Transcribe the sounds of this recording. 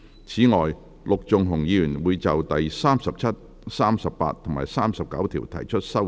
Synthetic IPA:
t͡sʰiː˨˥ŋɔː˨j | lʊ˨k̚t͡sʊ˨ŋɦʊ˨˩ŋjiː˨˧jyː˨˩nwuː˨˧jt͡sɐ˨wt̪ɐ˨jsaː˥msɐ˨p̚t͡sʰɐ˥t̚ | saː˥msɐ˨ppa̰ː˧t̚t̪ʰʊ˨˩ŋma̰ː˨˩jsaː˥msɐ˨p̚kɐ̰˨˥wt̪ʰiː˨˩wt̪ʰɐ˨˩jt͡ʃʰɵ˥t̚sɐ˥

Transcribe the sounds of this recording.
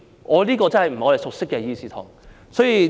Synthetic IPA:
ŋɔː˨˧liː˥kɔː˧t͡sɐ˥nhɐ˨jm̩˨˩˨ɔ˨˧˨sʊ˨k̚sɪ˥kːɛː˧jiː˧siː˥t̪ʰɔ̰ː˨˩ŋ | sɔː˨˥jiː˧

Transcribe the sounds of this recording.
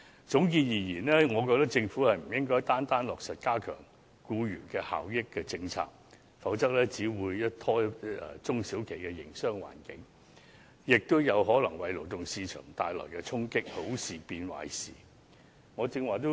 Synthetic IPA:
t͡sʊ˨˥ŋkiː˧njiː˨˩jiː˨˩nlɛː˥ŋɔː˨˧kɔː˧k̚t̪ɐ˥k̚t͡sɪ˧ŋfuː˨˥hɐ˨jm̩˨˩jɪ˥ŋkɔː˥jt̪aː˥nt̪aː˥nlɔː˨k̚sɐ˨t̚kaː˥kʰœ̰ː˨˩ŋ | kuː˧jyː˨˩nkɛ˧ha̰ː˨˩wjɪ˥kːɛː˧t͡sɪ˧ŋt͡sʰa̰ː˧k̚ | fɐ˨˥wt͡sɐ˥k̚lɛː˥t͡siː˨˥wuː˨˧jːɐ˥t̚t̪ʰɔː˥˨t͡sʊ˥ŋsiː˨˥wkʰe˨˩jkɛ˧jɪ̰˨˩ŋsœː˥ŋwa̰ː˨˩nkɪ˨˥ŋ | jɪ˨k̚t̪ʊ˥wjɐ˨˧wɦɔː˨˥lɐ˨˩ŋwɐ˨jlo˨˩wt̪ʊ˨ŋsiː˧t͡ʃʰœ̰ː˨˩ŋt̪aː˧jlɔ̰ː˨˩jkɛ˧t͡sʰʊ˥ŋkɪ˥k̚ho˨˥wsiː˨piː˧nwa̰ː˨˧˥jsḭː˨˩ | ŋɔː˨˧t͡sɪ˧ŋwaː˨t̪o˥

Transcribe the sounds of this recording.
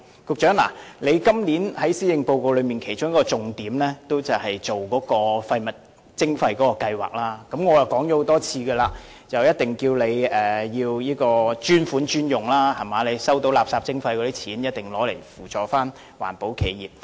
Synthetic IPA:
kʊ˨k̚t͡ʃœː˨˥ŋla̰ː˨˩le˨˧jkɐ˥mliː˨˥nhɐ˨˥jsiː˥jɪ˨˧ŋpo˧wko˧wlɵ˨˧ɥmiː˨˩nkʰe˨˩jt͡ʃʊ˥ŋjɐ˥kɔː˧t͡sʊ˨ŋt̪iː˨˥mlɛː˥t̪o˥wt͡sɐ˨˩whɐ˨jt͡ʃo˨wkɔː˨˥kɔː˧fɐ˧jmɐ˨t̚ | t͡sɪ˥ŋfɐ˧jkɔː˨˥kɔː˧kɐ˧jwa̰ː˨k̚laː˥kɐ˨˥mŋɔː˨˧jɐ˨˩wkɔː˨˥ŋt͡ʃɔ˨˥ho˨˧wt̪ɔː˥t͡sʰiː˧ɡɛː˧laː˧ | t͡sɐ˨wjɐ˥t̚t̪ɪ˨ŋkiː˧wle˨˧jɛː˨jiː˧wjiː˥kɔː˧t͡ʃyː˥nfuː˨˥nt͡ʃyː˥njʊ˨˩ŋlaː˥hɐ˨˩maː˨˧le˨˧jsɐ˥wt̪o˨˥wla̰ː˨˩psaː˧p̚t͡sɪ˥ŋfɐ˧jkɔː˨˧˥di˥t͡sʰiː˨˥njɐ˥t̚t̪ɪ˨˩ŋlɔː˨˥le˨˩jfuː˨˩t͡ʃɔː˨˩faː˥n | wa̰ː˨˩npo˨˥wkʰe˨˧jjiː˨p̚

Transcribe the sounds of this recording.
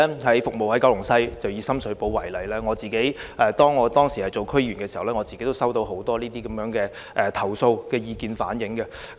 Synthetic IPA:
hɐ˨˥jfʊ˨k̚mo˨whɐ˨˥jkaː˥wlʊ˨˩ŋsɐ˥jt͡sɐ˨wjiː˨˧sɐ˥msɵ˨˧˥ɥpo˨˥wːɐ˨˩jlɐ˨˩jlɛː˥ŋɔː˨˧t͡siː˨ke˨˥jɛː˨˧t̪ɔː˥ŋːɔː˨˧t̪ɔː˥ŋsiː˨˩hɐ˨˩jt͡so˨wkʰɵ˥jyː˨˩nkɛː˧si˨hɐ˨wlɛː˥ŋɔ˨˧t͡siː˨ke˧˥jt̪o˥wsɐ˥wt̪o˧wɦo˨˥wt̪ɔː˥liː˥t̪iː˥kɐ˨˦mjœː˨˥ŋkɛː˧ | ʔɛ˨˧t̪ʰɐ˨˩wso˧wkɛː˧jiː˧kiː˨nfa̰ː˨˥njɪ˨˥ŋkɛ˧

